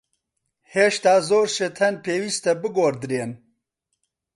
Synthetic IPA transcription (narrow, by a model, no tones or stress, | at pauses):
heːʃt̪aːzoːɾʃet̪ʰɛnpʰeːwiːst̪ɛbɨɡoːɾd̪ɨɾeːn